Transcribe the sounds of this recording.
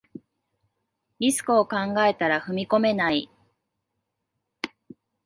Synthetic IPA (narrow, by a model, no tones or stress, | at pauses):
ɾʲisɨ̥kɯ̟okãŋɡae̞t̪aɾaɸɯ̟mʲiko̞me̞nai